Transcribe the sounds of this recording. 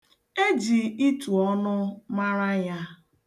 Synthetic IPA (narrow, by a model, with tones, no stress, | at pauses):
e˦d͡ʒi˨i˦tu˨ɔ˦nʊ˦ma˦ɾa˦ja˦